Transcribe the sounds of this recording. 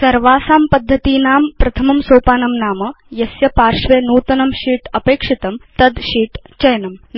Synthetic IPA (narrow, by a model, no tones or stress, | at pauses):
sɐɾʋaːsaːmpɐd̪ʱːɐt̪iːnaːmpɾɐt̪ʰɐmɐmsoːpaːnɐmnaːmɐ | jɐsjɐpaːɾʂʋeːnuːt̪ɐnɐmɕiːʈɐpeːkʂit̪ɐmt̪ɐd̪ɕiːʈt͡ɕɐjnɐm